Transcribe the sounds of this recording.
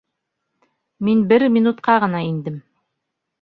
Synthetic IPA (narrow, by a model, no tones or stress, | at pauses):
minbɘɾmʲinut̪qɑʁɤ̆nɑind̪ɘm